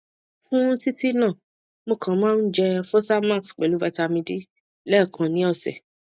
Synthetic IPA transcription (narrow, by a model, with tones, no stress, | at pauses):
fũ˦ti˦ti˦nã˦˨ | mo˧kʰã˨˦mãː˦˧n̩˦d͡ʒɛ˧fo˦sa˦ma˦˨ksk͡pɛ˨lu˨˦ba˧ta˧mĩ˧di˦ | lɛ˦˨kʰã˨nĩ˨˦ɔ˦˨sɛ̰˨